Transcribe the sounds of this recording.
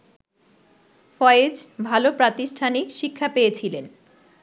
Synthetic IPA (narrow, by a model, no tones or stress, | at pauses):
fɔed͡ʑbʱalopɾat̪iʃʈʰaniʃikʰːapejet͡ɕʰilen